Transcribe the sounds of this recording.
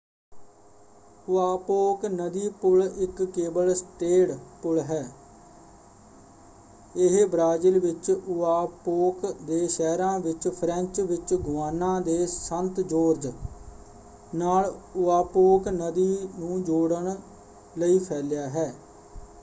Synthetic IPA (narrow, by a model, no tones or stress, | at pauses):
ʊaːpoːknəd̪iːpʊlɪkːeːbəlsʈeːɽpʊlɦɛː | ɪɦbɾaːd͡ʒilʋɪt͡ʃʊaːpoːkd̪eːʃɛːɾãːʋɪt͡ʃpʰɾɛ̃ɲt͡ʃʋɪt͡ʃɡʊʋaːnãːd̪eːsənt̪d͡ʒoːɾd͡ʒ | naːlʊaːpoːknəd̪iːnũːd͡ʒoːɽəɳ | ləiːpʰɛːlɪjaːɦɛː